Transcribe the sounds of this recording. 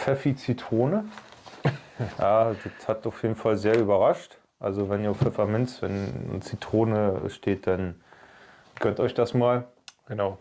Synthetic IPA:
fɛfit͡sitʁ̥oːnə | jaːdəthataʊfjeːdn̩falzeːɐyːbɐʁaʃt | ʔalzovɛniːɐfɛfamɪnsvɛn̰t͡sitʁ̥oːnə̰ʃteːt̚d̥an | ɡ̥œntɔʏçd̥asmaːl | ɡ̥ənaʊ

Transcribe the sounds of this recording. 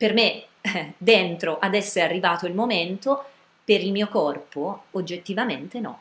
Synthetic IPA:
perme | d̪ent̪ɾoʔad̪ɛsːeɾearːivaːt̪oilmoment̪o | peɾilmiːokɔrpood͡ʒːet̪ːivament̪enɔ̰

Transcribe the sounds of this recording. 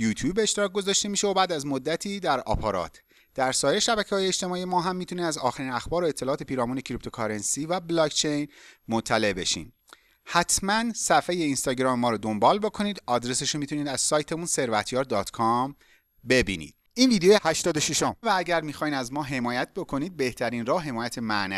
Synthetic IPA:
juːt̪ʰjuːbeːʃt̪eɾɒːk̚ɡo̞zɒːʃt̪e̞miːʃeobæːd̪æzmo̞d̪ːæt̪ʰiːd̪æɾɒ̰ːpʰɒɾɒ̰ːt̪ʰ | d̪̥æɾsɒːjeɾeʃæbæcʰeɒːjeet͡ʃt̪e̞mɒːijemɒːɦæmːiːt̪ʰuniːd̪æzɒːxæɾiːnæxbɒːɾoe̞t̪ʰːelɒːt̪e̞piːɾɒːmuːne̞cʰɾip̚t̪ʰo̞kʰɒɾensiːvæblɒːkt͡ʃʰe̞jnmot̪ʰːæle̞ʔbe̞ʃḭːn | hæt̪ʰmænsæfejeinst̪ɒːɟɾɒːmemɒːɾɔːd̪o̞mbɒːlbo̞kʰo̞niːd̪ɒd̪ɾe̞seʃomit̪ʰuniːd̪æz̥sɒːjt̪ʰe̞munse̞ɾvæt̪ʰjɒːɾd̪ɒːt̪ʰkʰɒm | be̞bḭːnḭːd̪ | iːnviːd̪ejoehæʃt̪ɒːd̪oʃiʃomvææɟæɾmiːxɒːjnæzmɒːɦe̞mɒːjæt̪̚ʰbo̞kʰo̞niːd̪̚be̞ht̪ʰæɾiːnrɒːhɦe̞mɒːjæt̪ʰe̞mænæ̰

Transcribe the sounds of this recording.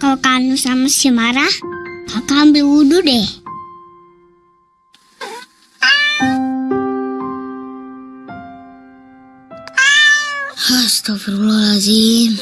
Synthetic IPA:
kakanusamasimaɾahpakambiwududɛ | hast̪ɔfəɾulɔlasi

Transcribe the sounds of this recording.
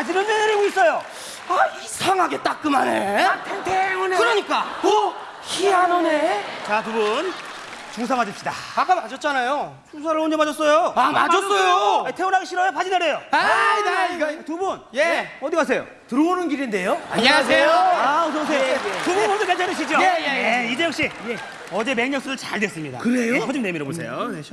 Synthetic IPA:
pad͡ʑinɯnneneɾeɡois͈ʌjo | aisʰaŋɦaɡe̞t͈ak͈ɯmanejtʰenteunekɯɾʌɲik͈ao | çiɦanʌnet͡ɕatubun | t͡ɕuŋsʰamad͡ʑʌp̚ɕ͈idaak͈amad͡ʑʌt̚t͡ɕ͈anajo | t͡ɕʰuŋs̬ʰaɾɯɭond͡ʑemad͡ʑʌs͈ʌjoama̰d͡ʑʌs͈ʌjoetʰeunɦaɡeɕʰiɾʌjopad͡ʑinaɾejoaɡtubunjeʌdikas̬ʰe̞jo̰ | tɯɾounɯnɡiɾinde̞joa̰ɲːaasʰejoaotʌs̬ʰejotubunodokeɭt͡ɕʰaneɕ̬ʰid͡ʑioejeeid͡ʑejʌk̚ɕ͈ije | ʌd͡ʑe̞meŋɲʌŋs͈ʰudɯɭt͡ɕaɭdwes͈ɯmɲida̰kɯɾejokʌd͡ʑimnemiɾobosʰḛjo̰ne

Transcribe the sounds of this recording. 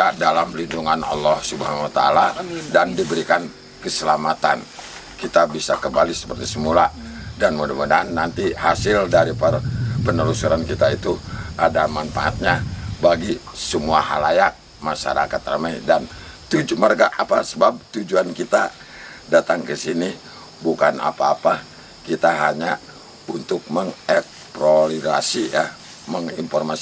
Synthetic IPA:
adalamlinduŋanɑ̰lːɔhsubaɦanwat̪a̰a̰ladandibəɾikan | kəsəlamat̪a̰n | kit̪abisakəmbalisə̥pərt̪isəmuladanmudamudanːant̪ihasɪldaɾipərpənəlusuɾankit̪ait̪uadamanfa̰ʔa̰t̪̚ɲabaɡisəmuaha̰lajaʔ̚ | maʃa̰ɾa̰kat̪ramajdant̪ud͡ʒumarɡaʔapasəbap̚t̪ud͡ʒuankit̪a | dat̪aŋkəsini | bukana̰paːpa | kit̪aɦaɲa | unt̪ʊk̚məŋɛk̚ | pɾoliɾa̰sija | məŋiɱfɔrmas

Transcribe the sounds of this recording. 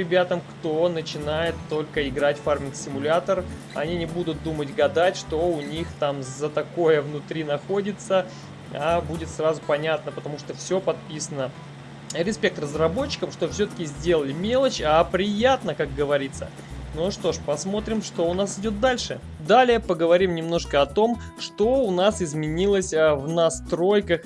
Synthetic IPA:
ɾʲɪbʲat̪əmkt̪o̞nət͡ɕɪnajɪt̪ːo̞lʲkəɪɡɾatʲfarmʲɪnksʲɪmʊlʲat̪ər | ɐ̰nʲinʲɪbud̪ʊt̪̚d̪umətʲɡɐd̪atʲʂt̪o̞ʊnʲixt̪amzət̪ɐko̞jəvnʊt̪ɾʲinɐxo̞dʲɪt̪sə | abudʲɪt̪srazʊpɐnʲat̪nəpət̪ɐmuʂt̪ofsʲo̞pɐt̪̚pʲisənə | ɾʲɪspʲe̞k̚t̪rəzrɐbo̞t͡ɕːɪ̥kəmʂt̪ofsʲɵt̪ə̥kʲɪzʲdʲe̞lˠəlʲɪmʲe̞lˠət͡ɕapɾʲɪjat̪nəkak̚ɡəvɐɾʲit̪sːə̰ | noʂt̪o̞ʂpɐsmo̞t̪ɾʲɪmʂt̪o̞ʊnasɪdʲo̞t̪̚d̪alʲʂɨ | d̪alʲɪjəpəɡəvɐɾʲimnʲɪmno̞ʂkəɐt̪o̞m | ʂt̪o̞ʊnasɪzmʲɪnʲilˠəsʲvnɐst̪ɾo̞jkəx

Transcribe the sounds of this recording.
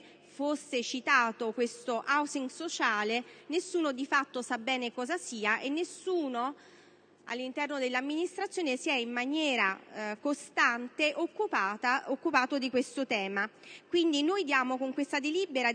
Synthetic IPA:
fosːet͡ʃit̪aːt̪okwest̪oʔawsiŋɡsot͡ʃaːlenesːuːnod̪ifat̪ːosabːɛːnekɔːzasiːaʔenːesuːno | a̰lːint̪ɛrnod̪elːamːinist̪ɾat̪sːjoːnesiɛimːanjɛːɾakost̪ant̪eʔokːupaːt̪aokːupaːt̪od̪ikwest̪ot̪ɛːmakwind̪inojd̪jaːmokoŋkwest̪ad̪eliːbeɾa

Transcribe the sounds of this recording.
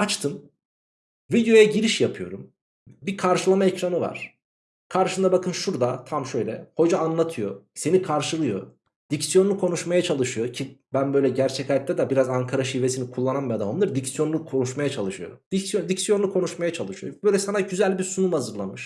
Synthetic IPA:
at͡ʃt̪ʰɯm | vid̪jo̞jaɟiɾiʃjapʰɯjo̞̰ɾum | bikʰaɾʃɯlˠamaecɾanɯva̰ɾ̥ | kʰaɾʃɯnd̪abakʰɯnʃuɾd̪at̪ʰamʃø̞jlʲɛho̞d͡ʒaːnlˠat̪ʰɯjose̞nikʰaɾʃɯlˠɯjo̞̰ | d̪icsjo̞nlˠukʰo̞nuʃmajat͡ʃʰalˠɯʃɯjo̞cʰibænbø̞jlʲɛɟæɾt͡ʃʰɛcat̪̚t̪ʰɛd̪ɛbiɾazaŋkʰaɾaʃivesinikʰulˠːananbɛd̪amnˠɯɾd̪icsjo̞nˠukʰo̞nuʃmajat͡ʃʰalˠɯʃɯjo̰ɾumd̪̥icsjond̪icsjo̞nlˠukʰo̞nuʃmajat͡ʃʰalˠɯʃɯjobøːjlʲɛsanaɟyzælʲbiɾsunumhazɯɾlˠamɯʃ

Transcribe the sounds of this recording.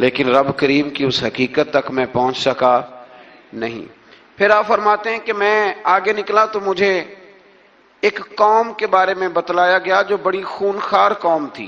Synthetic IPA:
leːkɪnɾɐbkəɾiːmkiʊsɦɐkiːkət̪ːɐkmɛ̃pɐɦʊ̃t͡ʃsɐka | nɐɦḭ̃ː | pʰɪɾaːpfɐɾmaːt̪eɦɛ̃kemɛ̃ːaːɡenɪklat̪omʊd͡ʒʱe | kːɔːmkebaːɾemẽbɐt̪laːjaɡɐjad͡ʒoːbɐɽixuːnxaːɾkɔːmt̪ʰḭː

